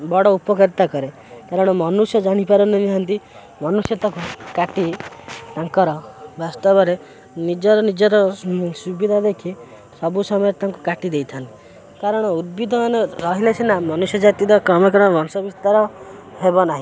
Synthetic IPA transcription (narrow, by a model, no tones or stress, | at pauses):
bɔɽɔupɔkeɾt̪akɔɾe | kaɾɔɽ̃ɔmɔnusjɔd͡ʒaɽ̃ipaɾɔneniɦɔnt̪i | mɔnusjɔt̪akukaʈit̪aŋkɔɾɔbast̪ɔbɔɾe | nid͡ʒɔɾɔnid͡ʒɔɾɔsubid̪ʱad̪ekʰi | sɔbusɔmɔjɔɾt̪aŋkukaʈid̪ejt̪ʰant̪i | kaɾɔɽ̃ɔud̪̚bid̪ʱɔmaneɾɔɦilesenamɔnusjɔd͡ʒat̪id̪ɔkɾɔmɔkɔɾbɔnsɔbist̪aɾɔhebɔnaɦĩ